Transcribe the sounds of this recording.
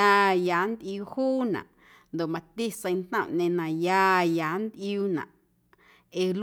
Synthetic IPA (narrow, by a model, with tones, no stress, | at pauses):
a˧jaː˨˦nd̪ʔjuː˧huː˦nã̰˨ʔ | nd̪o˨ʔmã˨t̪i˦sə̃˧j̃nt̪nã̰˦˨ʔnẽ˧nã˨ja˧ja˨˦nd̪ʔjuː˧nã̰˨ʔ | e˨l